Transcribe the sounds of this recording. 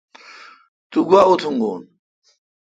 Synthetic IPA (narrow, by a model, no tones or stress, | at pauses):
t̪uɡwaut̪ʰuŋɡoːn